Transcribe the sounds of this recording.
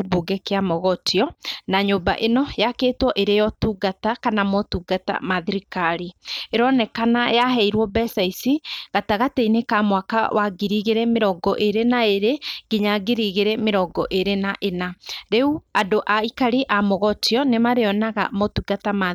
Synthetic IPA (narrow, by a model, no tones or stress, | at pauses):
buɡɛkeamɔɣɔtiɔnaɲoːbaʔenɔjakeːtwɔʔeɾejɔtuɡatakanamɔtuɡata̰maðiɾikaɾieɾɔnɛkanajaɦɛiɾwɔbɛsaisiɣataɣateinekamwaka̰wʔaɡiɾiɣeɾɛmeɾɔɡɔʔeɾenaeɾeɡeɲaɡeɾiɣeɾɛmeɾɔɡɔʔeɾenaʔenaɾeuadoʔaikaɾiʔamɔɣɔtiɔnemaɾeɔnaɣa̰mɔtuɡatama